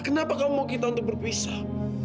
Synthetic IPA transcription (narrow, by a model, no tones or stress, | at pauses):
kənapakawmawk̬it̪aunt̪̬ubərpisa